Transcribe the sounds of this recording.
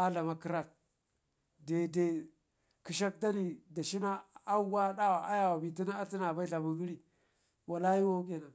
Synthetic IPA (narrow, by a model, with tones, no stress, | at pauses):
a˦ɮa˨ma˨ki˦ɾa˦˨t̚ | de˨de˨ | ki˨ʃ̬a˦k̚da˦ni˨da˨ʃi˦na˦a˦wa˦da˦wa˨ʔa˦ja˦˨wa˨bi˨ti˦na˦a˦ti˦na˨ba˦i˦ɬa˨mu˦ɡi˦ɾi˦ | wa˨la˦ji˦wo˦ke˦˨na˨